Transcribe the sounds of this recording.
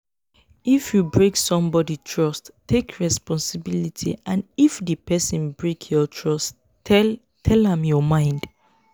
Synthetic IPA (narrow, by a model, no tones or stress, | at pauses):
ifjubɹeksɔ̃mbɔditʰɹɔsttʰːekʰɹɛspɔ̃nsibilitʰḭãnifdəpɛsĩnbɹekʰjɔtʰɹɔst | tʰɛlãmjɔmãɪ̃nd